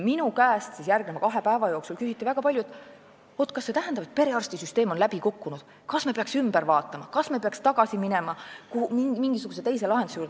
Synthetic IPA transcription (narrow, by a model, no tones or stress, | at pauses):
minukæːst̪sisjærɡ̥nemɑkɑɦe̞pæevɑjo̞ːksulkysit̪ːivæɡ̥ɑpɑljuet̪ːˑ | ot̪ːˑkɑsːe̞t̪æɦend̪ɑpet̪̚pe̞ɾe̞ɑrst̪isyst̪eːmonlæbikukːunud̪̥ | kɑsmepeɑksymb̥æɾvɑːt̪ːˑɑmɑkɑsmepeɑkst̪ɑɡ̥ɑsiminemɑkuimiŋɡ̥isuɡuse̞t̪e̞jse̞lɑɦe̞nd̪usjuːrd̪